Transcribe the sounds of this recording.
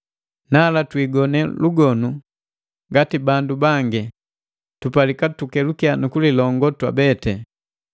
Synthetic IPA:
nalatwiɡɔnɛluɡɔnu | ŋɡatibandubaŋɡɛ | tupalikatukɛlukianukulilɔŋɡɔtwa̰bɛtɛ

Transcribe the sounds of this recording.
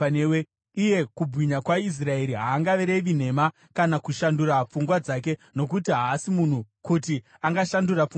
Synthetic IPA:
ewe | ije̞kubwiɲakwais̬rae̞ɾiɦaːŋɡaʋeɾeʋin̤e̞ma | kanakuʃandurap͡fuŋɡwad͡zak̬e̞no̞kutiɦaːsimun̤ukuti | aŋɡaʃandurap͡fuŋ

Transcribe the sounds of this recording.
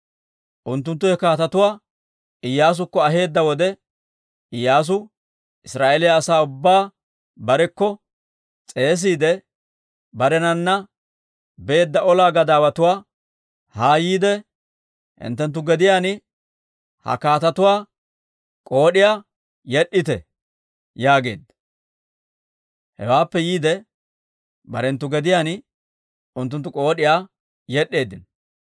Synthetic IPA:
ʔʊnt̪ːʊnt̪ːʊhɛkaːt̪ɐt̪ʊwaː | ɪjːaːs̬ʊkːɔɐɦe̞ːd̪ːɐwɔd̪ɛ | ɪjːaːs̬ʊ | ʔɪsɾaːʔelɪjɐːsaːʊbːaː | bɐɾɛkːɔ | t͡sʼe̞ːs̬iːd̪ɛ | bɐɾɛnɐnːɐ | be̞ːd̪ːɐɔlaːɡɐd̪aːwɐt̪ʊwaː | haːjiːd̪ɛ | hɪ̰nt̪ːɛnt̪̬ːʊɡɛd̪ɪjaːn | hɐ̰kaːt̪ɐt̪ʊwaː | kʼo̞ːɗɪjaː | jɛɗːɪt̪ɛ̰ | jaːɡe̞̰ːd̪ːɐ | hɛ̰waːpːɛjiːd̪ɛ | bɐɾɛnt̪ːʊɡɛd̪ɪjaːn | ʊnt̪ːʊnt̪ːʊkʼo̞ːɗɪjaː | jɛɗːe̞ːd̪ɪn

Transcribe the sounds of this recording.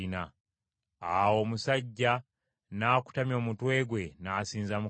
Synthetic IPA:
ina | awo̞ːmusaɟːa | naːku̥tamjo̞ːmutwe̞ːɡwe̞naːsiːnzamu

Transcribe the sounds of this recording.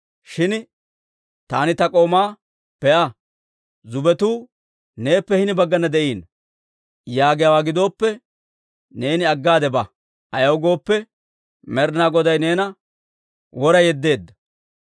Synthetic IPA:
ʃɪn | t̪aːnɪt̪ɐkʼo̞ːmaː | pɛʔɐ | zʊbɛt̪uː | ne̞ːpːɛhɪnɪbɐɡːɐnɐd̪ɛʔiːn | jaːɡɪjawaːɡɪd̪o̞ːpːɛ | ne̞ːnɪɐɡːaːd̪ɛbɐ | ɐjɐwɡo̞ːpːɛ | mɛɾnaːɡɔd̪ɐjne̞ːnɐ | wɔɾɐjɛd̪ːe̞ːd̪ːɐ

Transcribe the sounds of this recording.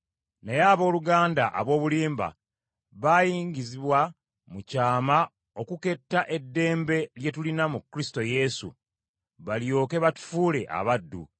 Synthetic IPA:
nejaːβo̞ːluɡaːndaʔa̰βo̞ːβuliːmba̰ | βaːjiːɲɟiziβwa | mucaːma | o̞kuke̞tːaʔe̞dːe̞ːmbe̞lje̞tulinamukːɾisi̥to̞je̞sṵ | βaljo̞ːke̞βatu̥fuːle̞ʔa̰βadːṵ

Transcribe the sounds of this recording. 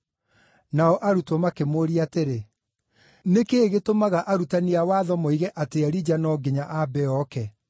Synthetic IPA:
naɔʔaɾutwɔmakemoɾiateɾe | nekeɣetomaɣaʔaɾutaniawaːðɔmɔiɣɛʔateaɾid͡ʑanɔɡeɲaʔabɛɔkɛ

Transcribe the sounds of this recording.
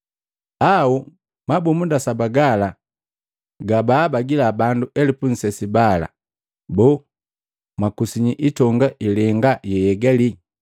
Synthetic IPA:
au | mabumundasabaɡala | ɡabaːbaɡilabanduʔɛlipun̩sɛsibala̰ | bɔ | makusiɲiʔitɔŋɡaʔilɛŋɡajɛjɛɡali

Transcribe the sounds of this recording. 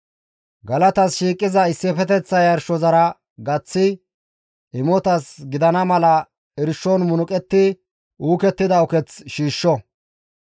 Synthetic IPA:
ɡɐlɐt̪ɐsʃiːkʼːɪzɐɪsːɪpɛt̪ɛt͡sːɐjɐɾʃɔzɐɾɐ | ɡɐt͡sːɪ | ʔɪmɔt̪ɐsɡɪd̪ɐnɐmɐlɐ | ɪɾʃːɔnmʊnʊkʼɛt̪ːɪ | ʔuːkɛt̪ːɪd̪ɐɔkɛt͡sʃiːʃːɔ

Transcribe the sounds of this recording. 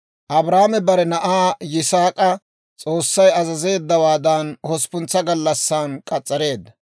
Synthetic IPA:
ʔɐbɾaːmɛbɐɾɛnɐʔaːjɪsaːkʼɐ | t͡sʼo̞ːsːɐjɐzɐze̞ːd̪ːɐwaːd̪ɐnhɔspʊnt͡sːɐɡɐlːɐsːaːnkʼɐt͡sʼːɐɾe̞ːd̪ːɐ

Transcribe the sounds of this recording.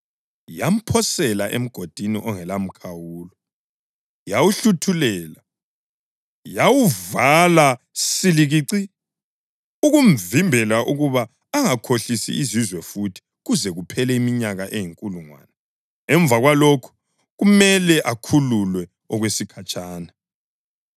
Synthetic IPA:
jam̩pʰɔsɛlaʔḛm̩ɡ̥ʱod̥ʱinḭʔɔŋɛlam̩kʰawuːlɔ | jawuɬutʰulɛːla | jawuvala | siliɣiːǀi | uɣuɱvimbʱɛlaʔuɣuβaː | ŋakʰoɬisḭizizwɛfutʰi̥ | ɣuzɛɣupʰɛlɛimiɲaɣaʔejiŋkʼuluŋwa̰ːnɛ | ɛɱb̪vʱaɣwalokʰu̥ | ɣumɛlɛʔakʰululwɛ | ɔɣwesikʰat͡ʃʼaːna

